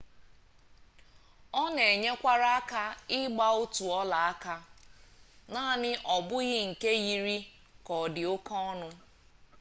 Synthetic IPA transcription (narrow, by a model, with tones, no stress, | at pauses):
ɔ˦ne˨e˨ɲe˦kʷa˦ɾa˦a˦ka˦ɪ˦ɡ͡ba˦o˦tu˨ɔ˦la˨a˦ka˦ | na˦˨nɪ˦ʔɔ˨bʊ˦ɣɪ˦ŋ̩˨ke˦ɣi˦ɾi˦ | kɔ˨dɪ˨o˦kɔ˦ɔ˦nʊ˦